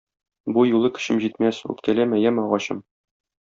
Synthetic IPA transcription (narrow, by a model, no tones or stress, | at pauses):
bujulˠɤkɘ̥̆ɕɘmʑit̪mæsʉ̰t̪kælæmæjæmɒʁɑɕɤ̰m